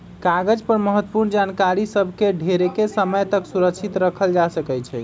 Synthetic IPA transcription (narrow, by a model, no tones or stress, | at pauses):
kaɡəd͡ʒpəɾməɦət̪ːəpuɾnd͡ʒankaɾisəbʱkeɖʱeɾekesəməjt̪əksuɾəkt͡ʃʰit̪ɾəkʰəld͡ʒasəkɛt͡ʃʰɛ